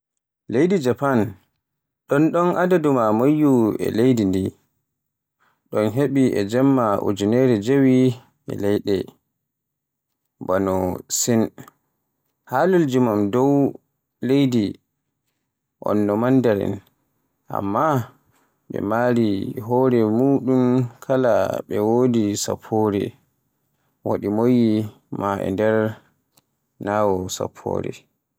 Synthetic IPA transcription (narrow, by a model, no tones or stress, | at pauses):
lejdid͡ʒapan | ɗɔnɗɔnʔadadumamajːuɛ̰lejdindi | ɗɔnɦeɓiɛ̰d͡ʒɛmːaʔṵd͡ʒunɛɾɛd͡ʒewi | ʔɛ̰lɛjɗɛ | banɔsin | haluld͡ʒumamdɔw | lejdi | ʔɔ̰nːɔmandaɾɛ̰n | ʔa̰mːa | ɓɛ̰maɾiɦɔɾɛmuːɗumkʰala̰ɓɛwodisa̰pʰːɔɾɛ̰ | waɗimojːi | maʔɛ̰ndɛɾ | naːwɔsa̰pʰːɔ̰ːɾɛ̰